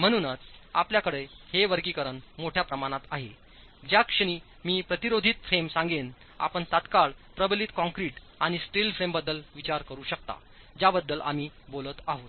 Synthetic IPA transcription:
m̤əɽ̃uːnət͡sa̰pljakəɽejheʋəɾɡiːkəɾənmoʈʰjapɾəmaɽ̃at̪aɦe | d͡ʑjakʂəɽ̃iː | miːpɾət̪iɾod̪ʱit̪fʰemsãŋɡen | a̰pəɳt̪at̪kaɭpɾəbəliːt̪kɔ̃ŋkɾiʈ | aɽ̃isʈilfɾembəd̪ːəlʋit͡ɕaɾkəɾuːɕək̚t̪a̰ | d͡ʑabəd̪ːəlʔa̰m̤iːbolət̪aɦot̪

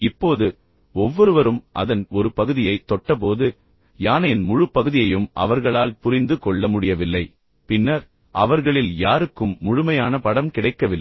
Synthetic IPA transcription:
ɪpːoːðɯ | ɔʋːɔɾɯʋɐɾɯmʔɐ̰ðɐnɔɾɯpɐɣɯðɪjɐɪt̪ːɔʈːɐp̬oːðɯ | jaːnɐjɪnmʊɻɯpːɐɣɯðɪjɐjɯmʔɐ̰ʋɐɾɣɐɭaːlpʊɾɪnd̪ɯkɔɭːɐmʊɽɪjɐʋɪlːɐɪ | pɪnːɐɾ | ʔɐʋɐɾɣɐɭɪljaːɾɯkːɯmːʊɻʊmɐjaːnɐpɐɽɐmkɪɽɐɪkːɐʋɪlːɐɪ

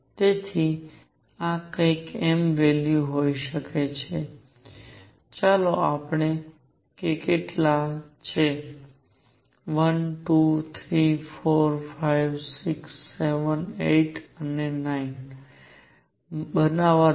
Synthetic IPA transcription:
t̪et̪ʰi | akəikɛmʋeljuɦoiʃəket͡ʃʰe | t͡ʃaloapɳe | kekeʈlat͡ʃʰe | ʋənʈut̪ʰɾifoɾfajʋsiksːeʋəneʈənenain | bənaʋa

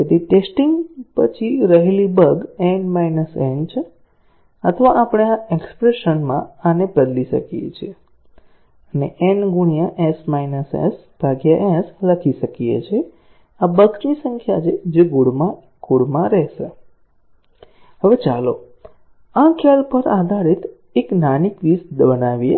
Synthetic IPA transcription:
ket̪iʈesʈiŋɡpət͡ʃʰiɾəɦelibəɡenmajnəsent͡ʃʰe | ət̪ʰəʋaʔapɳ̃eaekspɾeʃənmãanebəd̪liʃə̰kiḛt͡ʃʰie | əneʔenɡuɳijãʔesmainəsḛs | b̥ʱaɡjaʔɛsləkʰiʃəkijḛt͡ʃʰe | abəknisəŋkʰjat͡ʃʰed͡ʒeɡuɽmã | ɡuɽmãɾɛɦʃe | ɦəʋet͡ʃalo̰ | ãkʰalpəɾad̪ʱaɾit̪ | eknanikʋisbənaʋije

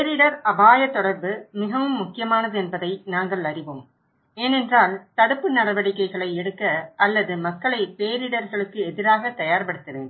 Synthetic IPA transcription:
eːɾɪɽɐɾɐbaːjɐt̪ːɔɽɐɾbɯmɪɣɐʋɯmːʊkːɪjɐmaːnɐðɯɛnbɐðɐɪnaːŋɡɐɭɐɾɪʋɯm | eːnɛndraːlt̪ɐɽɯpːɯnɐɾɐʋɐɽɪkːɐɪɣɐɭɐɪɛɽɯkːɐɐlːɐðɯmɐkːɐɭɐɪpeːɾɪɽɐɾɣɐɭɯkːɯɛðɪɾaːɣɐt̪ɐjaːɾpɐɽɯt̪ːɯʋḛn

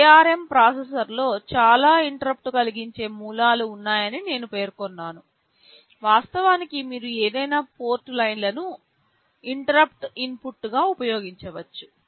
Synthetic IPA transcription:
aːɾempɾaːsesɐɾlo̞ːt͡ʃaːlaːiɳʈɐɾɐp̚ʈukɐliɡiɲt͡ʃe̞ːmuːlaːluːnːaːjɐnine̞ːnupe̞ːɾkonːaːnu | ʋaːst̪ɐʋaːnikimiːɾue̞ːd̪ɐjnaːpo̞ːɾʈlɐjnlɐnu | iɳʈɐɾɐp̚ʈinpuʈːɡaːupɐjo̞ːɡiɲt͡ʃɐʋɐt͡ʃːu̥

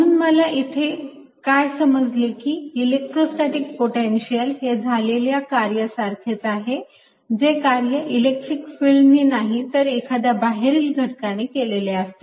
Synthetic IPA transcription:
mənuːnməlaʔit̪ʰe | kajsəməd͡zlekiːilek̚ʈɾosʈ̪aʈik̚poʈenɕijəlɦed͡zʱaleljakaɾjəsaɾt̪ʰet͡saɦe | d͡ʑekaɾjəʔilek̚ʈɾikfilninaɦit̪əɾekʰad̪jabaɦeɾiːlɡʱəʈkanikeleleast̪e

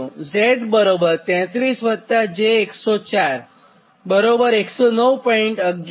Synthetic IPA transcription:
ũzeʈbəɾobəɾt̪ɛ̃t̪ɾisʋət̪ːad͡ʑeːksɔt͡ɕaɾ | bəɾobəɾeksɔnəwpɔiɳʈəɡ

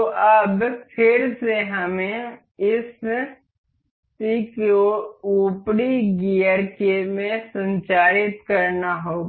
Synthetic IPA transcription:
t̪oʔɐbpʰɪɾseɦɐmẽ | ɪs | sikouːpɽiɡiəɾkemẽsə̃ɲt͡ʃaːɾɪt̪kɐɾnaɦoː

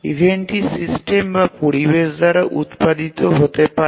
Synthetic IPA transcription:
ḭvʱeɳʈisisʈembapoɾibeʃd̪aɾaʔut̪pad̪it̪oɦot̪epa

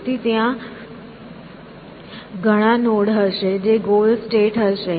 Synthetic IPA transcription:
t̪it̪jã | ɡʱəɽ̃ãnoɽɦəʃed͡ʑeɡolsʈeʈəʃe

